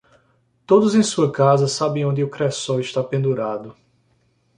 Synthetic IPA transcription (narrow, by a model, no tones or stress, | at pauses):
t̪od̪ʊzẽj̃suɐkazɐsabẽj̃õnd̪ɪʊkɾɛsɔiʃt̪apẽnd̪uɾad̪ʊ